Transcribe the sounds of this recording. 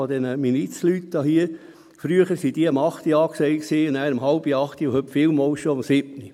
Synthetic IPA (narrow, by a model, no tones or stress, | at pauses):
od̥̪ɛnəminit͡slytd̥̪ɑhiə | fɾyəχəɾsid̥iəəmɑχt̪iɑːksɛɪksiːʊnæːɾəmɦɑlb̥iɑχt̪iʊhɵpfiːlmɔlʃomsɪb̥ni